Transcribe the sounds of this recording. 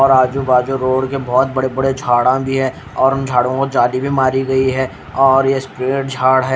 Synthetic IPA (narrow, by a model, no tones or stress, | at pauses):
ɔːɾaːd͡ʒubaːd͡ʒuɾoːɽkebɔːt̪̚bɐɽebɐɽed͡ʒʱaːɽãbʱiɦɛː | ɔːɾʊnd͡ʒʱaːɽõkod͡ʒaːlibʱimaːɾiɡɐiɦɛː | ɔːɾjespɾeːʈd͡ʒʱaːɽɦɛː